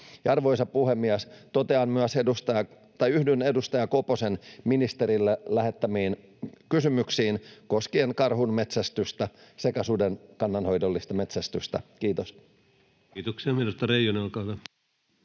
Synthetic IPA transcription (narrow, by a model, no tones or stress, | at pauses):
jɑrʋojsɑpuhemːiæst̪ot̪eɑnmyæsedust̪ɑjɑ | t̪ɑjyhdynedust̪ɑjɑkoposenminist̪eɾilːelæhet̪ːæmiːn | kysymyksiːnkoskienkɑrhunmet̪sæst̪yst̪æsekæsudenkɑnːɑnho̞jdolːist̪ɑme̞t̪sæst̪yst̪æ̰kiːt̪osː | t̪oksiɑmeilust̪ɑreijonɑˑlkɑʋæ